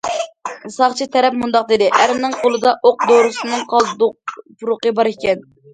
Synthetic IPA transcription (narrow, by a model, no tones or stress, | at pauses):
sɑχt͡ʃʰit̪ʰɛɾɛpmund̪ɑq̚d̪ed̪ɪʔæɾmnɪŋqʰolˠɨd̪ɑʔoq̚d̪oɾɨsɨnɨŋqʰɑlˠp̪ʰuɾʊqəbɑɾekʲɛn